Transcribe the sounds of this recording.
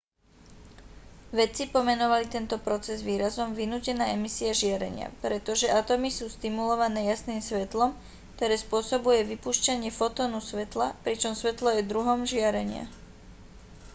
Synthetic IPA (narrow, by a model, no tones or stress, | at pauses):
ʋɛt͡sipɔmɛnɔʋalit̪ɛnt̪ɔpɾɔt͡sɛzʋiːɾazɔmʋinuːcɛnaːɛmisiaʒɪaɾɛ̰ɲɪa̰pɾɛt̪ɔʒɛʔat̪ɔmisuːst̪imulɔʋanɛːjasniːmsʋɛt̪lɔm | kt̪ɔɾɛːspʊɔsɔbujɛʋipuːʃcaɲɪɛfɔt̪ɔːnusʋɛt̪lapɾit͡ʃɔmsʋɛt̪lɔjɛd̪ɾuɦɔmʒɪaɾɛɲɪa̰